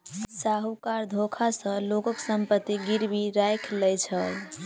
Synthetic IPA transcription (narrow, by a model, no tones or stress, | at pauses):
saɦukaɾd̪ʱokʰasə̃lokəksəmpət̪ːiɡiɾbiɾajkʰlɛjt͡ʃʰəl